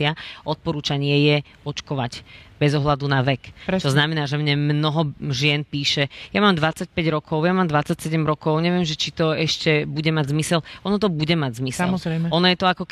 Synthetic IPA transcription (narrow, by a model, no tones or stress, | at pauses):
ɪaɔt̪̚pɔɾuːt͡ʃaɲɪɛjɛ | ɔt͡ʃkɔʋacbɛzɔɦlad̪unaʋɛkt͡ʃɔznamɛnaːʒɛmɲɛmnɔɦɔʒɪɛnpiːʃɛjamaːmd̪ʋat͡sac̚pɛɟɾɔkʰɔʊjamaːmd̪ʋat͡sacsɛɟɛmɾɔkɔʊɲɛʋɪɛmʒɛt͡ʃit̪ɔɛʃcɛbuɟɛmaɟzmisɛlɔnɔt̪̬ɔbuɟɛmaɟzmislɾɛɔnɔjɛt̪ɔakɔk